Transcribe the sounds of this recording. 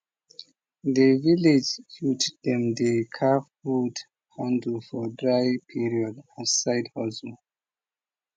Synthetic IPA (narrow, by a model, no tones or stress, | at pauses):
ðəviled͡ʒhutdɛ̃mdekʰafud | hãndlfɔdɹajpʰiɹiɔdasaɪdhɔzu